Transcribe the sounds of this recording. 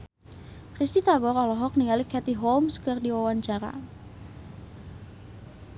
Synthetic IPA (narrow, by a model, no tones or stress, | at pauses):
krist̪it̪aɡɔrɔlɔɦɔk̚niŋalikʰɛt̪iɦolmskərdiwawaɲt͡ʃaɾa̰